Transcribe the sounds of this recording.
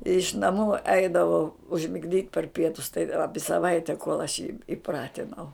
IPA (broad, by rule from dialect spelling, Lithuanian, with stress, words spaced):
ɪʃ nɐˈmuː ˈɛɪdɐʋɐʊ ʊʒʲmʲɪɡˈdʲiːt pɐr ˈpʲiɛtʊs tɐɪ ˈɑːpʲɪ sɐˈʋɐɪtʲɛ koːlˠ ɐʃ jiː ɪˈprɑːtʲɪnɐʊ